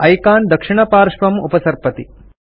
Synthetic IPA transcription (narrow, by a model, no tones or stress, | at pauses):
ɐjkaːnd̪ɐkʂiɳɐpaːɾʂʋɐmṵpɐsɐɾpɐt̪i